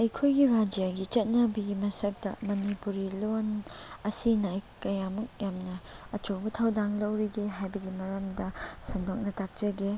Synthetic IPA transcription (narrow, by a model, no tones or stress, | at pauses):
ɐjkʰojɡiɾad͡ʒijaɡit͡ʃɐt̚nɐbɐɡimɐsɐk̚dɐ̰mɐnipuɾilonɐsinajkɐjamɐk̚jamnɐɐt͡ʃobɐtʰɐwdaŋlɐwɾiɡeɦajbɐɡimɐɾɐmdɐsɐndok̚nɐtak̚t͡ʃɐɡe